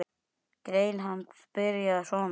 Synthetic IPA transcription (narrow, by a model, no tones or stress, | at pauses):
kɾejlɦant̪spɪɾjaðsɔːn